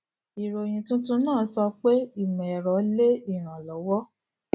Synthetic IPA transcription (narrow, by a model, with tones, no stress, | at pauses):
i˨ɾo˨j̃ĩ˨tũ˦tũ˦nãː˦˨˦sɔ˧k͡pe˦i˦˨m̃˨ɛ˨ɾɔ˨˦le˦i˦˨ɾ̃ã˨lɔ˨˦wɔ˦